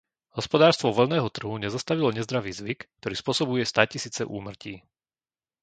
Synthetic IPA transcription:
ɦɔspɔd̪aːɾst̪ʋɔʋɔʎnɛːɦɔt̪r̩ɦuɲɛzast̪aʋilɔɲɛzd̪ɾaʋiːzʋikːt̪ɔɾiːspʊɔsɔbujɛst̪aːcisiːt͡sɛ̰ʔṵːmr̩ciː

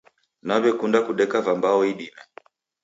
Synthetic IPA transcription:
naβjɔkundakuɗɛkavambaɔiɗimɛ

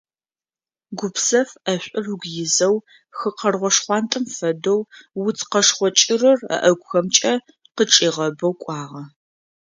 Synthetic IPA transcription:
ɡʷʊpsɐfɐɕʷʼʊruɡʷjɪzɐw | xɨqɐrʁʷɔʂχʷɑːntʼɨmfɐdowwʊt͡sʰqɐʂχʷɔt͡ʃʼɪrɨrɐ̰ʔɐɡʷxɐmt͡ʃʼɐ | qət͡ʃʼiːʁɐbɐwkʷʼɑːʁɐ

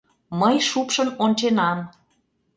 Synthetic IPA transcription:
məjʃupʃə̆nonʲt͡ɕenɑn

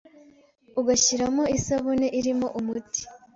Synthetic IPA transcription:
uɡaɕiɾamoisaβoneʔiɾimo̞ʔumuti̥

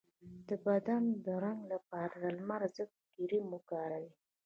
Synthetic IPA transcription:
d̪̥əbad̪and̪oɾaŋlapaɾad̪almaɾzək̚ | ɡ̥iɾimuɡaɾawi

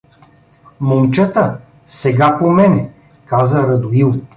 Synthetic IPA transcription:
momt͡ʃət̪ə | sɛɡapomɛnɛ | kazəɾɐd̪ʊilˠ

